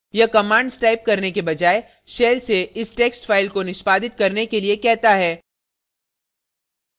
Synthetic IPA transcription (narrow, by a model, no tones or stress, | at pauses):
jɐkɐmãːɳɖsʈaːɪp̚kɐɾnekebɐd͡ʒaːe | ʃeːlseɪsʈeːksʈfaːɪlkonɪʃpaːd̪ɪt̪̚kɐɾnekeliekɛɦt̪aɦɛː